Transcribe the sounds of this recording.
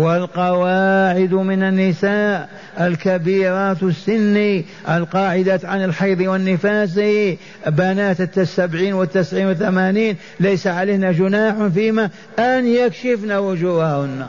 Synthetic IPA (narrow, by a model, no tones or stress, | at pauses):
wɪlqɑwaːʕɪd̪mɪnanːɪsaːʔ | alkabiːɾˤɑːt̪sːɪnːi | ʔalqɑːʕɪd̪aʕanɪlħɑjðˤiwɪnːɪfaːs̬ɪ | banaːt̪ɪt̪ːasːabʕiːnwɪt̪ːɪsʕiːnwɪθamaːniːn | lajsaʕaleːhnad͡ʒʊnaːħfiːma | ʔanjakʃɪfnawʊd͡ʒuːhahʊnːa